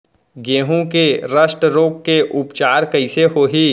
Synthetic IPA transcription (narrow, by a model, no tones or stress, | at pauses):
ɡẽːɦũkeɾəʃʈɾoːkːeʔʊpt͡ʃaːɾkɐɪseɦoːɦiː